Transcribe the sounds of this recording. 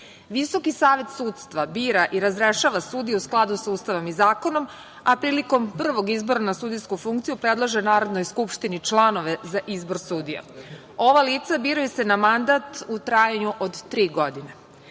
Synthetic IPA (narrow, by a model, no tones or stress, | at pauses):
ʋisokisaːʋe̞t̪suːt̪st̪ʋabiːɾaʔiɾazɾeʃaːʋasuːd̪ijeusklˠad̪usauːst̪aʋomizaːko̞no̞m | apɾiːliko̞mpr̩ʋo̞ɡizbo̞ɾanasuːd̪ijskufuŋkt̪sijupɾed̪lˠoʒenaːɾo̞d̪no̞jskupʃt̪init͡ʃlˠano̞ʋezaʔizbo̞ɾsuːd̪ija̰ | o̞ʋaliːt̪sabiːɾujese̞namand̪at̪ut̪ɾajaɲuʔod̪ːɾiːɡo̞d̪ine